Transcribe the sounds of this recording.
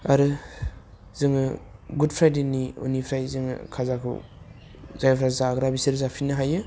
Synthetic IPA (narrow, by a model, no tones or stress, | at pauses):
aɾɯ | zɯŋɯɡudpʰɾajdenio̰nipʰɾajzɯŋɯ̰kʰazakʰṵ | zajpʰɾajzaɡɾabisɯɾzapʰinɯɦajɯ